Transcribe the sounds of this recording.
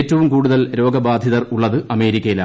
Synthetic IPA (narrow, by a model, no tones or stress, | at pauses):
tːɐʋumkuːɽuðɐlɾo̞ːɡɐbaːd̪ʱjiðɐruɭːɐðɨɐme̞ːɾikʲːɐjila̰